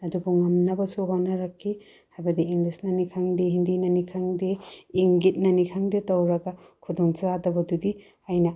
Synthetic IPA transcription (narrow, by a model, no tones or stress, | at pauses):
ɐdubuŋɐmnɐbɐsuɦawnɐɾɐkʰːi | hajbɐdiːŋlisnɐnikʰaŋdiɦindinɐnikʰaŋdiːŋɡit̚nɐnikʰaŋditɐwɾɐɡɐ | kʰudoŋt͡ʃadɐbɐdudi | ɐjnɐ